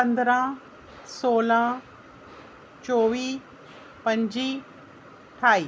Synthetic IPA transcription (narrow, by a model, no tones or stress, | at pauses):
ə̃nd̪ɾã | soːlã | t͡ʃoʋiː | pə̃ɲd͡ʑiː | ʈʰaːiː